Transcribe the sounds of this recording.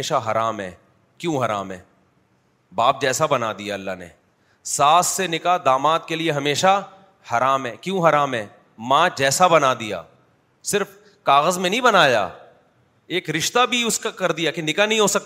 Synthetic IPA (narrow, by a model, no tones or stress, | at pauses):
eːʃaɦɐɾaːmɦɛ̰ː | kjõːɦɐɾa̰ːmɦɛ̰ː | baːp̚d͡ʒɛːsabɐnad̪ijaɐlːaɦnḛ | saːsːenɪkad̪aːmaːt̪̚kelieɦɐmeːʃa | hɐɾaːmɦɛːkjũɦɐɾaːmɦɛː | mãd͡ʒɛːsabɐnad̪ija̰ː | sɪɾf | kaːɣəzmẽnɐɦĩbɐnaːja̰ː | eːkɾɪʃt̪abʱiʊskakɐɾd̪ijakenɪkanɐɦĩɦoːsɐk̚t̪ː